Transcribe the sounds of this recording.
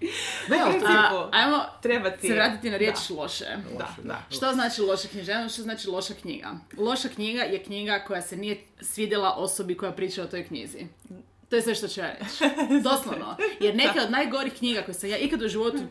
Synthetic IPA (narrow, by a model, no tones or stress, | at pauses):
aemoɾebat̪seʋɾaːt̪it̪inaɾjet͡ʃlˠo̞ʃḛa̰a̰ʃtt̪oznaːt͡ʃilˠo̞ʃakɲiʒeajmoʃt̪oznaːt͡ʃilˠo̞ʃakɲḭːɡa̰lˠo̞ʃakɲiɡajekɲiːɡako̞jase̞nijesʋiːd̪jelˠaʔo̞sobiko̞japɾiːt͡ʃaot̪o̞jkɲḭzḭ | t̪o̞jesʋe̞ʃt̪ot͡ɕujaːɾet͡ʃd̪oslˠoʋnojeɾnekeod̪naːjɡo̞ɾixkɲiːɡako̞jisamjaːʔikad̪uʒiʋo̞t̪u